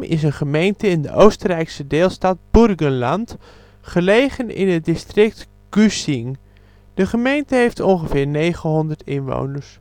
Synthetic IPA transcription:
mɪ̰sənχəmejntəɪndə̰ʔowstərɛjksədeːlˠstat̚b̥urɡənlant | χəlejχənɪ̰nət̚dɪstrɪk̚t | ɡ̥ysiŋ | d̥əχəmejntəɦejftɔnχəfɪːrnejχənɦɔndərtɪnʋo̰wnəɹs

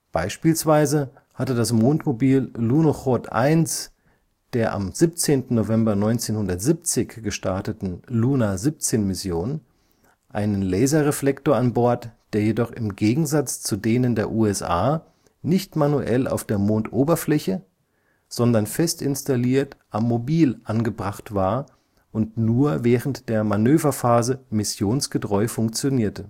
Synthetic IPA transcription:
b̥aɪʃpiːlsv̥aɪzə | hatədasmoːntmobiːlːuːnoχotʔa̰ɪns | d̥eːɐʔa̰mz̥ip̚t͡seːntn̩ːovɛmbɐnɔʏnt͡seːnhʊndɐtz̥ip̚t͡sɪçɡ̥əʃtaɐtətn̩luːnazip̚t͡seːnmɪsjoːn | ʔa̰ɪnənlɛɪzɐʁeflɛktoːɐanbɔɐtd̥eːɐjedɔχɪmɡeːɡŋ̩zat͡st͡sudeːnəndeːɐʔuːɛsʔa̰ː | nɪçtmanuʔɛ̰la̰ʊfd̥eːɐmoːntʔoːbɐflɛçə | z̥ɔndɐnfɛstɪnstaliːɐtʔamːobiːlʔanɡəbʁaχtv̥aːɐ | ʔʊntnuːɐvɛːʁən̩td̥eːɐmanøːvɐfaːzəmɪsjoːnsɡ̥ətʁ̥ɔʏfʊŋk̚t͡sjoniːɐtə

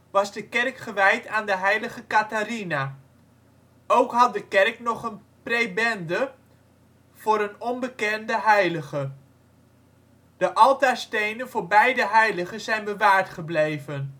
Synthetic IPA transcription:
ʋɑzdəkɛrkχəʋɛjtaːndəɦɛjləχəkatarina | ʔowkɦɑt̚dəkɛrknɔχən | prejbɛndə | v̥ʊːɾənɔmbəkɛndəɦɛjləχə | d̥əʔɑlˠtaːɹstejnənvʊːɹbɛjdəɦɛjləχənzɛjnbəʋaːɹtχəblejvən

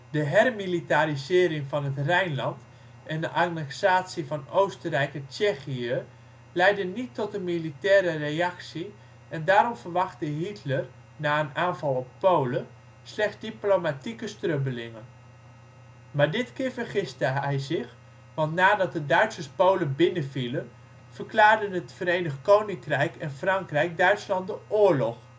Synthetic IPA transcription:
dəɦɛrmilitaɾizɪːɾɪŋvɑnɦətrɛjnlɑnt | ʔɛndəʔarnɛksaːtsivɑnowstərɛjkət͡ʃɛxiə | lɛjdənitːɔtənmilitɛːɾərejɑksi | ɛndaːɾɔmvərʋɑχtəɦitʰlər | naːənaːnvɑlˠɔpːowlə | slɛχsdiplomatikəstrøbəlɪŋən | maːɹdɪtkɪːɹvəɹχɪstəɛjzɪχ | ʋɑntnaːdɑt̚dədœɥtsəspowləbɪnəvilən | vəɹklaːɹdənətfəɾejnəχkownɪŋkrɛjkɛnfrɑŋkrɛjk̚dœɥtslɑntdəʔʊːɹlɔχ

